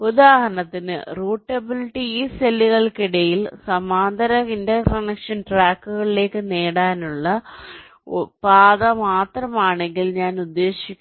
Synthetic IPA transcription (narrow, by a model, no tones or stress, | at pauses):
uðaːɦɐɳɐt̪ːinɨ̰ruːʈːɐbiliʈːiiːselːiɣɐɭkiɽɐjilsɐmaːnd̪ɐɾɐindɐkɐnɐkʂɐnʈraːkːuɣɐɭile̞ːkːɨneːɽaːnuɭːɐ | paːðɐmaːt̪rɐmaːɳe̞ŋɡilɲaːnud̪ːe̞ːɕikʲː